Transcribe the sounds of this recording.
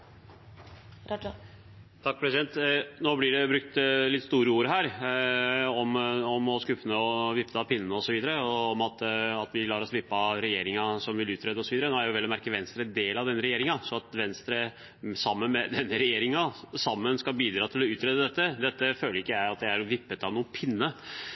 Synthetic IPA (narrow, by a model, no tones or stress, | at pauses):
t̪ʰɑk̚ːpʰɾɛsɪd̪ɛnt̪noːblɪɖɛbɾʉk̚t̪lɪt̪ːst̪uːɾəuːɾɦæːɾ | ɔmɔmɔskʉpːənəɔʋɪpːt̪ɑpʰɪnːənəɔsɔʋiːd̪əɾəɔɔmɑt̪ɑt̪ʋɪlɑːɾɔsʋɪpːɑɾɛjeːɾɪŋɑsɔmʋɪlʉːt̪ʰɾeːd̪əɔsɔʋiːd̪ɾənoːæɾjʊʋɛlːɔmæɾkəʋɛnst̪ɾəd̪eːlɑʋd̪ɛnːəɾɛjeːɾɪŋɑsɔɑt̪ʋɛnst̪ɾə | sɑmːənmɛd̪ɛnːəɾɛjeːɾɪŋɑsɑmːənskɑbiːd̪ɾɑːt̪ʰɪlɔʉːt̪ɾeːd̪əd̪ɛt̪ːəd̪ɛt̪ːəføːləɾɪkːəjæɪɑt̪̚d̪ɛæɾʋɪpːət̪ɑʋnuːənpʰɪnːə